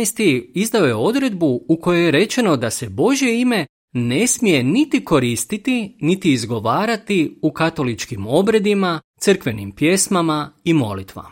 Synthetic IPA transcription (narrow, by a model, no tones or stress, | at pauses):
jst̪iizd̪ao̞je̞o̞d̪ɾe̞d̪buuko̞jojeɾe̞t͡ʃe̞no̞d̪ase̞bo̞ʒje̞ime̞ | ne̞smije̞nit̪iko̞ɾiːst̪it̪init̪iːzɡo̞ʋaːɾat̪iukat̪o̞lit͡ʃkimo̞bɾe̞d̪imat̪sɨr̩kʋe̞nimpje̞smamaimo̞̰lit̪ʋa̰